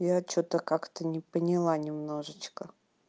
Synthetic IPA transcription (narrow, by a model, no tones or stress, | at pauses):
jat͡ɕot̪əkakt̪ənʲɪpənʲɪlˠanʲɪmno̞ʐɨt͡ɕkə